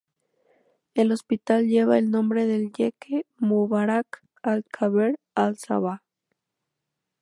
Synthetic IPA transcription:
elospit̪alʎeβaelnõmbɾeðelʎekʰemuβaɾak | alkʰaβeɾ | alsa̰βa

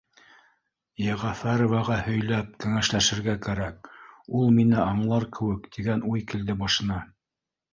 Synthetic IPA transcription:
jeʁɑfæɾovɑʁɑhɵ̆jlæp̚kæŋæʃlæʃɘ̆ɾɡækæɾæk̚ulˠminɘʔɑɴlˠɑɾkʰɘ̆wɘkt̪iɡænujkɘld̪ɘbɑʃɤ̆nɑ

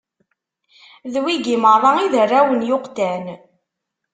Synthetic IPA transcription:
ðwiɡiməɾˤɑiðərːæwənjʊqt̪æn

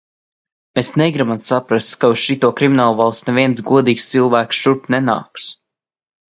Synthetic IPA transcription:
mesnɛɡɾimant̪sapɾast̪kauʃit̪uɔkɾiminaːlˠvalˠsnɛvʲiɛnt̪sɡuɔd̪iːkst̪silˠvæːksʃuɾt̪nɛna̰ːks

